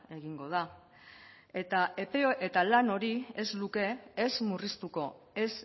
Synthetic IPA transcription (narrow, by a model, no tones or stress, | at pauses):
e̞ɣiŋɡo̞ð̞a | e̞t̪aʔe̞pe̞oʔet̪alano̞ɾie̞zluke̞ːzmurist̪uko̞ | e̞s